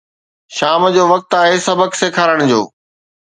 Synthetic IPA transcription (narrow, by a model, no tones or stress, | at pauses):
ʃaːmd͡ʑoːʋɐk̚t̪aːɦesɐbəkseːkʰaːɾəɽ̃d͡ʑo̰ː